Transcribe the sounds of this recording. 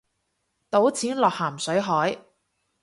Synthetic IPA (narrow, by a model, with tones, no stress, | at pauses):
t̪o˨˥wt͡sʰiː˨˥nlɔː˨k̚haː˨˩msɵ˨˥ɥɦɔː˨˥j